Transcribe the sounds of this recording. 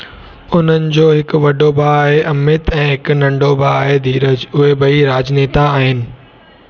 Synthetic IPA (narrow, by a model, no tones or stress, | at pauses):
ʊn̤ənɪ̆d͡ʑoːɦɪkʋɐɖobʱaːɦeʔɐmɪt̪ɛ̃ːɦɪknɐ̃ɳɖobʱaːaːɦed̪iːɾəd͡ʑʊɦebɐiɾaːd͡ʑneːt̪aaːɦɪnɪ̆